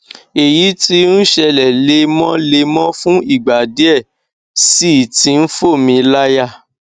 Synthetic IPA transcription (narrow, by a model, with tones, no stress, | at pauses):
e˨ji˨˦ti˦n̩˦ʃɛ˧lɛ˨le˧mɔ̃˦le˧mɔ̃˦fũ˦i˦˨ɡ͡ba˨di˦ɛ˦˨ | si˦˨tĩ˧˦n̩˦fo˦˨mĩ˧la˦ja˦˨